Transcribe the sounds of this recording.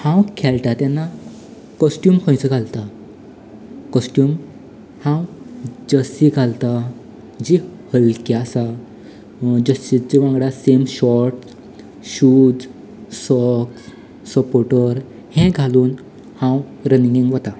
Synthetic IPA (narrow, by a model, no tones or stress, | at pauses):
hãwkʰɛlt̪at̪janːa | kɔsʈjuːmkʰɔ̃jt͡səɡʱalt̪a | kɔsʈjuːm | hãwd͡ʑəsiɡʱalt̪a | d͡ʑihəlkiasa | d͡ʑəsʈid͡ʑiʋãŋɡɽasemɕɔɾʈ | ɕuːd͡z | sɔks | səpoʈəɾ | hɛ̃ɡʱaluːn | hãw | ɾəniŋɡiŋɡʋət̪a